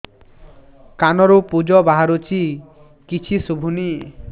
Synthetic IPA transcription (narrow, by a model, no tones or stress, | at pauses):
kanɔɾupud͡ʒɔbaɦaɾot͡ʃʰi | kit͡ʃʰisubʱuni